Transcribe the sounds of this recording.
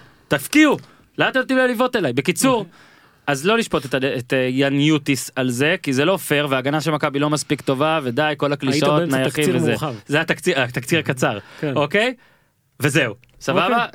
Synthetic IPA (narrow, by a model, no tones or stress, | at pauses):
tafkiu | laat̪et̪imlolivo̞t̪e̞lajbe̞kit͡suʁ | azlo̞liʃpo̞t̪et̪aet̪janjut̪isalze̞kizelo̞fe̞ʁveaːɡanaʃelmakabilo̞maspikt̪o̞vaved̪ajko̞lakliiotnajaχivezeavzeat̪akt͡siat̪akt͡siʁakat͡saʁko̞ke̞j | vezeu | sababa